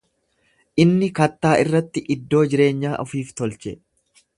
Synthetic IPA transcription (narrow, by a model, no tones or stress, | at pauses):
ʔɪnːɪkɐt̪ːaːʔɪrːɐt̪ːɪʔɪd̪ːo̞ːd͡ʒɪɾe̞ːɲːaːʔɔfiːft̪ɔlt͡ʃɛ